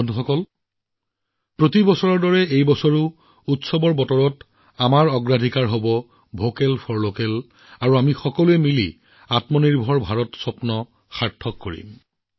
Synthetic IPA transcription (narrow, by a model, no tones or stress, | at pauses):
ɔnuxɔkɔl | pɹotibɔsɔɹɔɹdɔɹɛejbɔsɔɹʊ | utsɔbɔɹbɔtɔɹɔt | amaɹɔɡɹadʱikaɹɦobɔ | bʱokelpʰɔɹlokel | aɹuamixɔkɔluɛmilḭ | atmɔniɹbʱɔɹbʱaɹɔtsɔpnɔ | xaɹtʰːɔkːoɹḭm